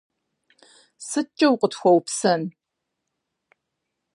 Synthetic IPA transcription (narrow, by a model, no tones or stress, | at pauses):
sɨt͡ʃʼɐwqətʰxʷɔwpsɐn